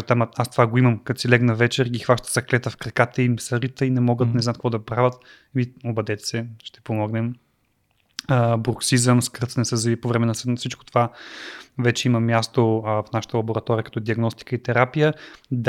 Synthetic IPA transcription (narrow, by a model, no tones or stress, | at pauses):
t̪aməast̪ovaɡoiməmkɐt̪silɛɡnɐvɛt͡ʃɛɾɡʲixvaʃt̪ə̥sɐklɛt̪əfkɾɐkat̪əimɛsɐɾit̪əinɛmɔɡət̪nɛznat̪kvɔd̪ɐpɾavʲət̪ | miobɐd̪ɛt̪ɛ̥sɛʃt̪ɛ̥pomɔɡnɛm | əbɾoksizəmskɤɾt̪sənɛsəzɐvipovɾɛmɛnəsfsit͡ʃkot̪ova | vɛt͡ʃɛiməmjast̪ofnaʃə̥t̪əlˠɐboɾɐt̪ɔɾiəkɐ̥t̪ɔd̪iɐɡnɔst̪i̥kəit̪ɛɾapijəd̪